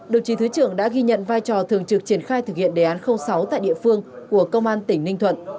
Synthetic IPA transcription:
ɗə˨˩wt͡ɕi˨˦t̪ʰɨ˨˦t͡ɕɨ˧˩əŋɗa̰ː˧˥ɣi˧ɲə̰˧˨nvaː˧jt͡ɕɔ˨˩t̪ʰɨ˨˩əŋt͡ɕɨ˨˩k̚t͡ɕi˧˩ənxaː˧jt̪ɨ˨˩k̚hḭ˧˨ənɗe˨˩ʔaː˨˦nxə˧wŋ͡msa˨˦wt̪a̰ː˧˨jɗḭ˧˨əfɨ˧əŋku˧˩əkə˧wŋ͡mʔaː˧nt̪ï˧˩ŋnï˧ŋ̟t̪ʰwə̰˧˨nʔ

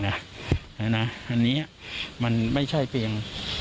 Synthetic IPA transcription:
na˦˥ | a˧˥˩na˦˥ʔa˧nːiː˦˥ɐ˨˩ma˧nma˥˩jt͡ɕʰa˥˩jpʰi˧ŋ

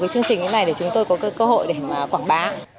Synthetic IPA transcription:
kaː˨˦jt͡ɕɨ˧əŋt͡ɕï˨˩i˨˦na˨˩jɗe˧˩t͡ɕʊ˨˦ŋ͡mt̪o˧jkɔ˨˦ka˨˦jkəː˧ho̰˧˨jɗe˧˩maː˨˩kwaː˧˩ŋɓaː˨˦

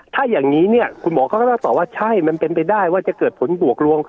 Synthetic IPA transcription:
t̪ʰaː˥˩jaː˨˩ŋniː˦˥ni˥˩ɐkʰu˧nbɔː˨˦kʰɔː˥˩˥na˥˩t̪ɔː˨˩waː˥˩t͡ɕʰa˥˩jma˧npe˧npa˧jdaː˥˩jwaː˥˩t͡ɕa˨˩kɤː˨˩t̪̚pʰo˩˦nbu˨˩ək̚ɾu˧əŋ

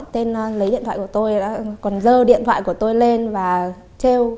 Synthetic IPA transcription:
t̪e˧n˧lə˨˦jɗḭ˧˨t̪ʰwaː˧˨kə˩t̪o˧ja̰ː˧˦˥kɔ˨˩nzəː˧ɗḭ˧˨ənt̪ʰwa̰ː˧˨ku˧˩ət̪o˧jle˧nvaː˨˩ | t͡ɕe˧w

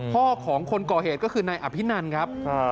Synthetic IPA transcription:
kʰɔː˥˩kʰɔː˩˦ŋkʰo˧nkɔː˨˩heː˨˩t̪̚kɔ˥˩kʰɯː˧naː˧jʔa˨˩pʰi˦˥na˧nkʰa˦˥p̚ʰ

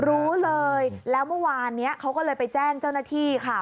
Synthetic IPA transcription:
ɾuː˦˥lɤː˧jlɛː˦˥wmɯ˥˩waː˧nːi˦˥ɐʔkʰa˦˥wkɔː˥˩lɤː˧jpa˧jt͡ɕɛː˥˩ŋt͡ɕa˥˩wnaː˥˩t̪ʰiː˥˩kʰa˥˩

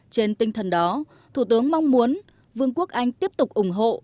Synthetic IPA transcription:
t͡ɕe˧nt̪ï˧ŋ̟t̪ʰə˨˩nɗɔ˨˦ | t̪ʰu˧˩t̪ɨ˨˦əŋma˧wŋ͡mmu˨˦ən | vɨ˧əŋku˦˥ək̚ʔa˧jŋ̟t̪i˦˥əp̚t̪ʊ˨˩k͡p̚ʔʊ˧˩ŋ͡mɦo̰˧˨

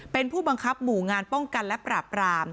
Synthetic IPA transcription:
pe˧npʰuː˥˩ba˧ŋkʰa˦˥p̚muː˨˩˦ŋaː˧npɔ˥˩ŋka˧nlɛ˦˥pɾaː˨˩pɾaː˧m

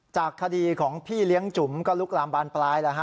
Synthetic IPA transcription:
t͡ɕaː˨˩kʰːa˧diː˧kʰɔː˩˦ŋpʰiː˥˩li˦˥əŋt͡ɕu˩˦mkɔ˥˩lu˦˥k̚laː˨˧˦mbaː˧nplaː˦˥jla˧˩kʰa˦˥˩

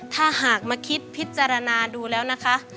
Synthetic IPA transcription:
t̪ʰaː˧˥˩ɦaː˨˩k̚maː˧kʰi˦˥t̪̚pʰi˦˥t̪̚t͡ɕaː˧ɾa˧naː˧duː˧lɛː˦˥wna˦˥kʰa˦˥ʔ

